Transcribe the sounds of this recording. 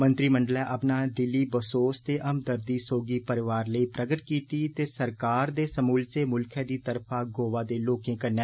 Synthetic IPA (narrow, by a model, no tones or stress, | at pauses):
mə̃nt̪ɾiːməɳɖəlɛːʔəpnaːd̪ɪlːiːbəsoːst̪eːʔəmd̪əɾd̪iːsoːɡiːpəɾɪʋaːɾləiːpɾʔəɡəʈkiːt̪iːt̪eːsəɾkaːɾd̪eːsəmuːlt͡ʃeːmʊlkʰɛ̃ːd̪iːt̪əɾpʰaːɡoːʋaːd̪eːloːkẽːkəɾneː